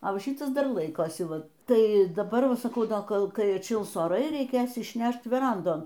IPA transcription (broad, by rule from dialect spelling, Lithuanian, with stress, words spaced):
ɐ ˈʋɐ ˈʃʲiːtɐs dɐr ˈlˠɐɪkoːsʲɪ ˈʋɐ ˈtɐɪ dɐˈbɐr sɐˈkɐʊ oː ˈkoːlˠ ˈkɐɪ ɐtʲˈʃʲɪlˠs oːˈrɐɪ rʲɛɪˈkʲeːs ɪʃʲˈnʲɛʃt ʋʲɛˈrɐndoːn